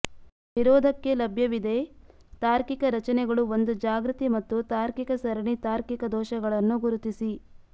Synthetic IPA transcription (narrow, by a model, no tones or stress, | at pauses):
ʋiɾɔːd̪ʱɐkːe̞lɐbʱjɐʋid̪e̞t̪aːɾkikɐɾɐt͡ʃɐnɛɡɐɭuond̪ud͡ʒaːɡɾut̪imɐt̪ːut̪aːɾkikɐsɐɾɐɳit̪aːɾkikɐd̪ɔːʃɐɡɐɭɐnːuɡuɾut̪isi